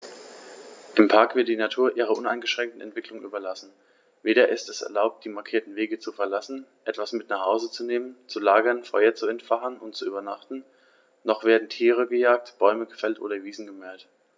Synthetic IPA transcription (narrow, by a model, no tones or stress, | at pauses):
ʔɪmpʰaɐkv̥ɪɐt̚d̥iːnatʰuːɐʔiːʁ̞ɐʔʊnaɪnɡəʃʁ̥ɛŋktn̩ɛ̰ntv̥ɪklʊŋʔyːbɐlasn̩ | veːɾɐʔɪstɛsɛ̰ɐlaʊp̚t̚d̥iːmaɐkʰiːɐtn̩veːɡət͡sufɛɐlasn̩ʔɛtv̥asmɪtnaːχhaʊzət͡suneːmənt͡sulaːɡɐnfɔʏɐt͡suɛntfaχənʔʊnt̚t͡suyːbɐnaχtn̩ | nɔχv̥eːɐdn̩tʰiːʁ̞əɡəjaːk̚tb̥ɔʏməɡəfɛltʔo̰ːɾɐviːzn̩ɡəmɛɐt